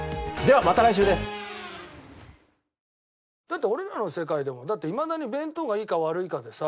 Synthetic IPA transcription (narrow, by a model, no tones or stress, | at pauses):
d̪e̞βamat̪aɾaiɕ̬ɨːd̪e̞sɨ̥ | d̪̥at̪ːe̞o̞ɾeɾano̞se̞kaid̪e̞mo̞d̪at̪ːe̞imad̪aɲ̟ibẽ̞nt̪o̞ɡaiːkaβ̞aɾɯ̟ikad̪e̞sa